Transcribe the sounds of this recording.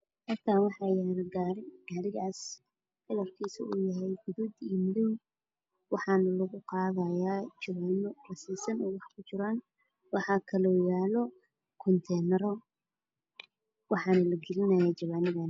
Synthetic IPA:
hɐrt̪ʰaːwɑħɑjaɾɡaɾɪɡaːɾɪɣaːs | fɪlɐrkʰiːsʊ̰uːjɐɦɛjɡʊðud̪imʊðʊm | wɑħɑːnɐlɐɣʊqɑːðɐjaːt͡ʃɐβaːnɔrɐsɛsɐnɔːwɑħkʰʊt͡ʃɪɾaːn | wɑħɑːkʰɐlɔːjaːlɔ | kʰɔnt̪ʰɛːnɛɾɔ | wɑħɑːnɐlɐɡɪɾɪnɐjaːt͡ʃɐβaːnɪðan

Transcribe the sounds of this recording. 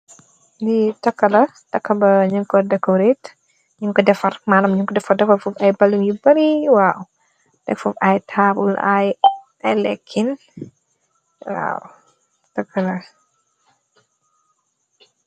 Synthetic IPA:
ditɐkːɐlɐ | tɐkːɐbɐɲuŋkɔdɛkːɔɾet | ɲuŋkɔdɛfɐrmaːlɐmɲuŋkɔdɛfɐrdɛfɐfufɐjbɐluŋjubɐɾiwaw | dɛkfufajtʰaːbulaj | ɐjlɛkʰːin | wa̰w | tɐkʰːɐlɐ

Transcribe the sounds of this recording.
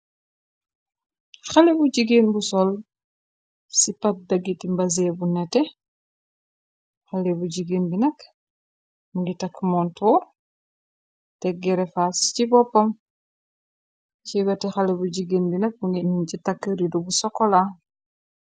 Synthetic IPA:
xalebuɟiɡinbusɔl | sipɐt̚dɐɡitimbɐs̬ebunɛtɛ | xalɛbuɟiɡinbinɐk | muŋɡitɐkːmɔntʰɔːɾ | tɛɡɛɾɛfascibɔpːɐm | cibɛtɛxalebuɟiɡinbinɐk̚muŋɡinuncitakːəɾidubusɔkːɔla

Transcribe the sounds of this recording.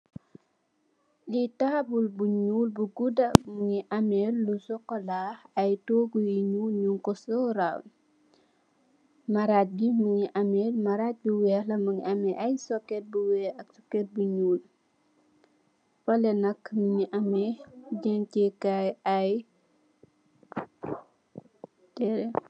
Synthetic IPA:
litaːbulbuɲuːlbuɡudɐmuŋiʔɐmɛlːusɔkːɔlaːhɐjtoːɡujiɲulɲuŋkɔsɔːɾa̰wn | mɐɾat̚bimuŋiʔɐmɛlmɐɾat̚biwɛːlɐmuŋḭʔɐmɛʔɐjsɔkːɛt̚buwɛːɐk̚sɔkːɛt̚buɲuːl | fɐlɛnɐkmuŋiʔɐmɛɟɛŋcɛkajɐj | tɛɾɛ

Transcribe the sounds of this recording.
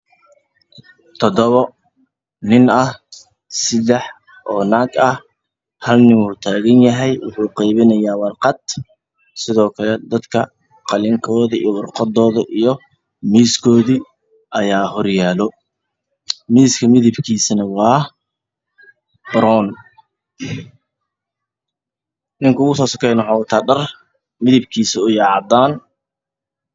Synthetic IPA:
t̪ʰɔd̪ɔβɔ | nɪnɐh | sɪd̪ɛħ | ʔɔːnaːɡɐh | hɐlnɪnwuːt̪ʰaːɣɐnjɐɦɛjwɑ̰ħuːqɛjβɪnɐjaːwɑrqɑd̪ | sɪðɔːkʰɐlɛd̪ɐd̪kʰɐ | qɑlɪŋkʰɔːðɐḭjɔwɑrqɑd̪ɔːðɐʔijɞ | miːskʰɔːðiː | ʔɐjaːhɔrjaːlɔ | miːskʰɐmɪðɪbkʰiːsɐnɐwɑː | b̥ɾɔːn | nɪŋkʰʊʊɣʊsɔːsɐ̥kʰɛjnɔħɔːwt̪ʰɐɖɐr | mɪðɪbkʰiːsɐʊjɑʕɑd̪aːn

